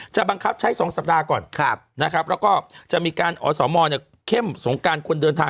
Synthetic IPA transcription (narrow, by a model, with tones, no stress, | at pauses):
t͡ɕa˨˩ba˧ŋkʰa˦˥p̚t͡ɕʰa˦˥jsɔː˩˦ŋsa˨˩p̚daː˧kɔː˨˩nʰna˦˥kʰɾa˦˥p̚ʰɾɛ˦˥wkɔː˥˩t͡ɕa˨˩miː˧kaː˧nʔɔ̰ː˧sɔː˩˦mɔː˧ni˥˩ | kʰe˥˩mso˩˦ŋkaː˧nkʰu˧əndɤː˧nt̪ʰaː˧